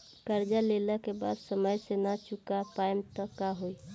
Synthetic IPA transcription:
kəɾd͡ʒaleləkeba̰d̪səməjsenat͡ʃukapajmt̪əkːaɦoi

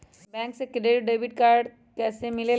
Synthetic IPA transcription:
bɛ̃ŋksekɾeɖəjbiʈkaɾɖ | kɛsemilel

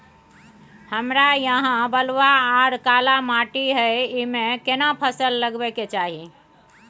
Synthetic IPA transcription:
həmɾajəɦãbəlwaaɾkalamaʈiɦəjimẽkenapʰəsəlːəɡbɛket͡ʃaɦi

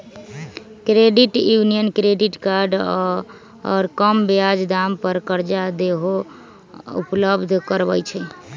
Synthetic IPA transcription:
kɾeɖiʈjunijənkɾeɖiʈkaɾɖ | ɔ̰ɾkəmbead͡ʒd̪ampəɾkəɾd͡ʒad̪eɦo | ṵpləbd̪ʱkəɾbəjt͡ʃʰɛ

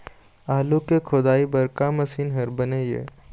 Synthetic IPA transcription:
aːlukekʰʊd̪aːibɐɾkamɐsiːnɦɐɾbɐnejḛː

